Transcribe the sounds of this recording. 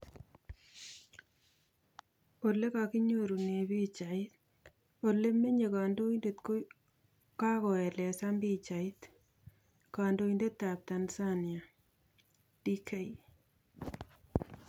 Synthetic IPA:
o˨lːe˦kaki˦ɲoɾu˨ne˨bi˦t͡ʃaɪt̪̚ | o˨le˦me˦ɲe˨kaː˨ndo˦inde˨tko | ka˦kɔ˨ɛ˨lɛ˨sambi˦t͡ʃaɪ˦t | ka˨ndo˦i˦nde˦t̪ːa˨p̚tansanja˨ | d̥i˦kʰe˦i

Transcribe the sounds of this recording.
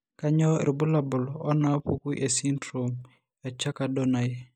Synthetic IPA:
ka˦ɲɔ˦ɾi˨bu˦la˨bʊ˨lɔ˦na˦pu˦ku˦ʔe˨si˦ntɾo˨m | a˨t͡ʃa˦ka˨do˦na˨˦

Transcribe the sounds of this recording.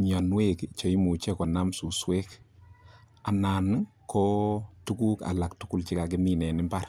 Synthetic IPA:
ɲa˨nwekt͡ʃɔ˨i˦mu˨t͡ʃɛ˦kɔ˨na˦msu˨swe˦k | a˨na˨nkʰɔ˦tu˦ku˦ka̰˨la˨k̚tu˦ku˦˨lt͡ʃi˦ka˨kɪmi˨nɛ˨nɪ˦mbar

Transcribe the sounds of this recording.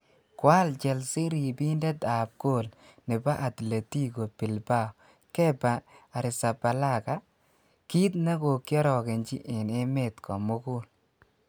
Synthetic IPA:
kwa˦lt͡ʃɛ˨lsɪ˦ɾi˨bi˦ndɛ˦da˨b̚ɡo˦˨l | nɪ˨ba˦ʔa˨tle˨ti˦ɡo˨pɪ˨lba˦˨ | kɛ˦baː˨ɾɪ˨sa˨ba˨la˦˨ka˦ | ki˦t̪na˦ɡo˨kjɔ˦ɾɔ˨ke˨nt͡ʃḭ˦ʔɪ˨ne˦me˨t̪kɔ˨mʊ˦ku˦l

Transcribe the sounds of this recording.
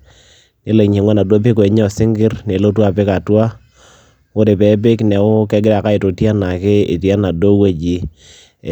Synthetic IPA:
ne˦le˨ɲi˨ŋwa˦na˨dwo˦p̬ɪ˦ke˨ɲɔ˦˨sɪ˦ŋɡɪ˦ɾne˨lo˦twa˦˨pɪ˦ka˨twa˦ | ʊ˦de˨pɛ˨˦p̬ɪ˦knɛ˨ʊ˦kɛ˦ɡɪ˦ɾa˨ka˦ɪ˨to˨ti˦a˦na˨kɪ˦ɪ̰˨ti˨a˦na˨do˦we˦d͡ʒi˨

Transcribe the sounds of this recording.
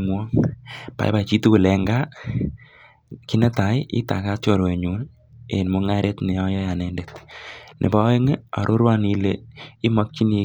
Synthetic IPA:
mwɔ˦pa̰˨j̰pa˨t͡ʃi˦tu˦ku˨lɛ˨ŋɡa˦ | ki˦nɛ˦ta˨jḭ˦ta̰˨ka˦t͡ʃo˨ɾwe˨ɲu˨n | e˨nmo˦ŋa˦ɾe˦tne˨ɔ˦jɔ˦ja˨nɛ˦ndetnʔḛ˨ba˦e˦ŋ˦a̰˨ɾʔo˦ɾwa˦ni˧le˨i˦ma˦k̚t͡ʃi˦ni˧

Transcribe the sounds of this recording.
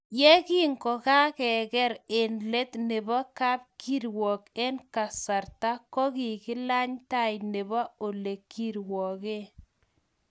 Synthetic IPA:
je˦ki˦ŋkɔ˨ka˦kɛ˨kɛ˦ɾe˨nle˦t̪ne˨bɔ˦ka˦p̚kʰi˦ɾwɔ˨ke˦nka˨sa˨ɾta˦kɔ˦ki˨kɪ˦la˦ɲta˦jne˨bɔ˦o˨le˨kːi˦ɾwɔ˨ke˦

